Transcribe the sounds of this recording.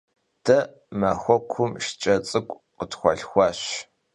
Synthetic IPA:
d̥ɐ | mɐxʷɔkʷʰʊmʃt͡ʃʼɐt͡sʼɨkʷʼ | qətxʷɔ̰ɬxʷɑːɕ

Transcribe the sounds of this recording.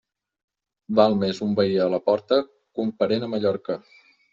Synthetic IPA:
balˠmezumbəiələpɔɾt̪ə | kumpəɾenəməʎɔɾkə

